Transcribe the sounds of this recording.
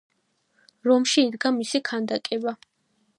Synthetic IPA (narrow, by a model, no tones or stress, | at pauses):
ɾɔmʃiːd̪ɡamisikʰand̪akʼɛba